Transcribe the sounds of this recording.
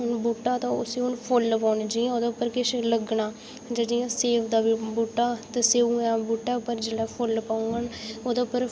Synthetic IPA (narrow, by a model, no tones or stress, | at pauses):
ɦʊnbuːʈːaːt̪ãʊ̰siːʊnpʰʊlpaːnd͡ʒĩoːd̪eʊpːəɾkɪʃləɡnaː | d͡ʒədijãːseːʋʰd̪aːbibuːʈːaːt̪əseːũːãːbuːʈːaːʊpːəɾd͡ʒeːɽɛːpʰʊlpaːũənoːd̪epːəɾ